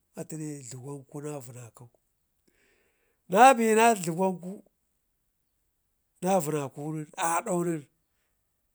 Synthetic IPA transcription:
a˨ti˦ne˦ɮu˨ɡa˦ŋku˦na˦vu˨na˨ka˦u˦ | na˦bi˨na˦ɮu˨ɡa˦ŋku˦ | na˦vu˨na˨ku˦ni˦ɾa˨ɗa˦u˦ni˦ɾ

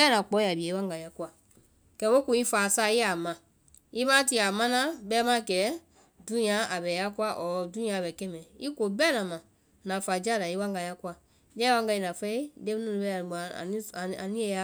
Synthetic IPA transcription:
bɛ˦nã˨k͡pɔ˨˦a˨bi˨e˨˦wã˦ŋɡa˨ja˦ku˦a˦˨ | kɛ˧˨˦wo˦ku˨i˦faː˨sa˦i˦a˨mã˨ | i˦mã˦t̬i˧˦a˨mã˦nã˦bɛ˦mã˦kɛː˨˦ | dũ˦nĩ˦ã˨˦a˨bɛ˨ja˦ku˦a˦ʔɔ˨dũ˦i˦ã˨˧˨bɛ˨kɛ̃˦mɛ̃˨i˦ko˨bɛ˦nã˨mã˨ | nã˨fa˨d͡ʒa˦˨da˨i˦wã˦ŋɡa˨ja˦ku˦a˨ | jɛ˦wã˦ŋɡa˧i˧nã˨fɛ˦i˦de˦m˦nũ˦˨nĩ˨˦bɛ˦a̰˨ni˦˨a˨nĩ˦ɛ˨˦a˦

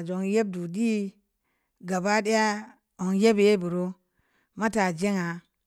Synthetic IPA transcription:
d͡ʒo˨ŋje˦b̚du˨di˦ | ɡa˨ba˦de˦ja˦ | o˨ŋje˦be˨e˦bu˨ɾo˦ | ma˦ta˨d͡ʒe˦ŋa˨

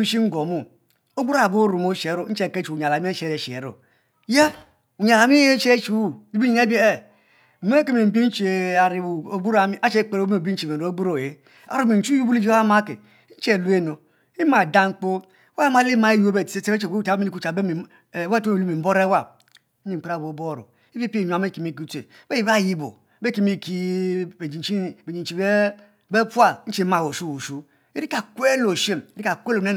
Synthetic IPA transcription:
i˦ʃi˦ŋ̩˦ɡo˨mu˦ | o˦bu˦ɾa˨bo˦ɾu˨mo˦ʃe˨˦ɾo˦˨˦t͡ʃe˨ke˦t͡ʃu˨u˨a˨la˨m˦e˦ʃe˨˦ɾe˨ʃi˨ḛ˨ɾo̰˨ | ja˦ | u˨ɲ˨a˨la˨mi˦e˦t͡ʃe˦t͡ʃu˦˨i˦bi˦ɲi˦ne˦be˦˨ | m˦e˦ke˦mi˨m̩˨bi˦n̩˦t͡ʃe˨a˨ɾi˨bu˨o˨ɡ͡bu˦ɾa˨mi˦ʔa˦t͡ʃe˦˨k͡pe˨ɾbi˦n̩˦t͡ʃe˨me˨˦ɡ͡bu˦ɾo˨je˨˦ | a̰˨ɾu˦mi˨˦t͡ʃu˦ju˦bu˦li˦d͡ʒa˦ma˦kḛ˨˦ | n̩˦t͡ʃe˨lu˦e˦no˨ | i˦ma˨da˦ŋ͡m̩˦k͡po˦ | wa˦ma˦li˦ma˨e˦ju˦o˦be˨ti̥˨e˦se˦e˦e˨o˦ta˨˦mi˦li˦ku˦t͡ʃa˨be˦m˨˦ | we˦tlu˦mi˨m̩˦bo˦ɾe˦wa˦˨˦ | i˦˨k͡pɾa˦˨bo˨bo˦˨ɾo̰˨ | i˦vi˦pi˦˨ɲu˨a˨me˦ki˨mi˦˨k̬i˦te˨˦be˦ji˨βa˦˨ji˦bo̰˨˦be˦ki˦mi˦ki˦˨d͡ʒi˨i˦be˨d͡ʒi˨n˨t͡ʃi˨be˦ | be˦pu˦a˦n̩˦t͡ʃi˦ma˨wo˨su˦wu˨su˦ | i˦ɾi˦ka˨kwe˦lo˨ʃe˦mi˦ɾi˦ka˨kʷe˦lne˦

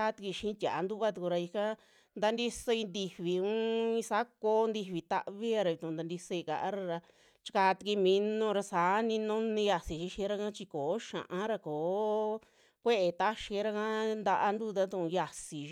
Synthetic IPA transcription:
a˧˦t̪i˧ki˧ʃĩ˧˦˧t̪ʲa˨a˨nd̪u˦βa˦˧t̪u˧ku˧ɾa˧i˧kã˦ | nd̪a˧nd̪i˦so˧i˧nd̪i˧βi˨ũ˦ĩ˧sa˦koː˧˦nd̪i˧βi˧t̪a̰˧ʔβi˦a˧ɾa˧i˧t̪ũ˧nd̪a˧nd̪i˧so˧i˧ka̰˨ʔa˦ɾa˧ɾa˧ | t͡ʃi̥˧ka˧t̪i˧ki˧mĩ˧nũ˧ɾa˧saː˨˦nĩ˧nũ˦nĩ˧ja˧si˨ʃi˧˦ʃĩ˧˦ɾa˧kã˦t͡ʃi˧koː˨˦ʃã̰˨ʔã˦ɾa˧koː˨˦ | kʷe˦ʔe˧t̪a˦ʃĩ˧˦ɾa˧kã˦nd̪a˧ʔa˧nd̪u˦˧t̪a˦t̪ũ˧ʔũ˧ja˧si˨˧

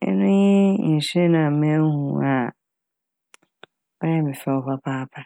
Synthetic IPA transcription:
ɛ̰˦nʊ̃˦jɛ̃˦˨sɛ˦nã˨mɛ̃˦hṵ̃˨a˨ | ɔ˦jɛ̃˦mɪ̃˨fɛ˦ɔ˦˨pa˦pʰaː˦pʰa˦

